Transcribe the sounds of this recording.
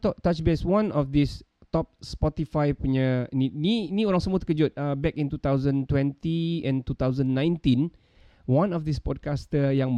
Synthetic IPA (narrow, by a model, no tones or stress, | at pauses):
t̪ɔʔt̪at͡ʃbɛswãnɔfd̪is | t̪ɔp̚spɔt̪ifajpuɲənininioɾãŋsəmut̪ə̥kəd͡ʒut̪̚əbɛkĩnt̪ut̪awzə̃nt̪wɛ̃nt̪iɛ̃nt̪ut̪awzə̃nːãj̃nt̪ĩn | wãnɔfd̪ispɔd̚kastəjãŋ